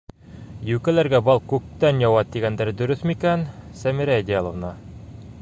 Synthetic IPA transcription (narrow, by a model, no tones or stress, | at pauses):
jʉkælæɾɡæbɑlˠkʉk̚t̪ænjɒwɑt̪̚d̪iɡænd̪æɾd̪ɵ̆ɾɵθmikænsæmiɾæd̪ʲalˠŏvnɑ